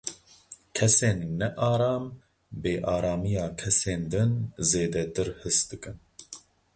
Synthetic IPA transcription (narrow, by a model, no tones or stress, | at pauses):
kʰɛseːnːɛʔaːɾaːm | beːʔaːɾaːmijaːkʰɛseːnd̪ɨnzeːd̪ɛt̪ɨɾhɨst̪d̪ɨkɨn